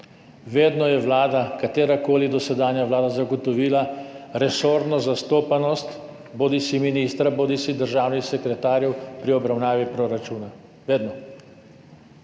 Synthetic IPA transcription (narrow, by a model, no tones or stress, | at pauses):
ʋeːd̪nɔjɛʋlaːd̪akat̪eːɾakoːlid̪ɔsɛd̪aːnjaʋlaːd̪azaɡɔt̪ɔʋiːlaɾɛsoːɾd̪nɔzast̪oːpanɔst̪ | boːd̪isiminiːst̪ɾaboːd̪isid̪əɾʒaːwnixsɛkɾɛt̪aːɾjɛwpɾiɔbɾawnaːʋipɾoɾat͡ʃuːna | ʋeːd̪nɔ